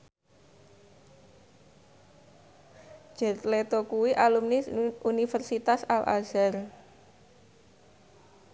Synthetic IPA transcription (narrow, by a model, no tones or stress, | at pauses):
ʒ̥ɛ̤t̪let̪okuwiʔalumnisunifərsit̪asalʔa̰z̥ar